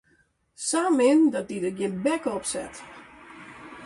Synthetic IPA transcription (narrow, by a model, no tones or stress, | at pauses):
saːmɪndɔt̚didəɡjɪnbɛkɔpsɛ̰t